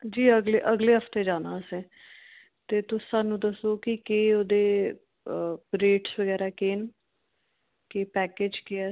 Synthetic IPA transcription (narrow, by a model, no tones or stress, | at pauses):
d͡ʒiːəɡleːʔəɡleːɦəpʰt̪eːd͡ʒaːnãːsẽː | t̪eːt̪ʊːaːnũːd̪əsoːkɪkeːoːd̪eː | ɾeːʈsʋəɡɛːɾaːkeːn | keːpɛːkeːd͡ʒkeːɛː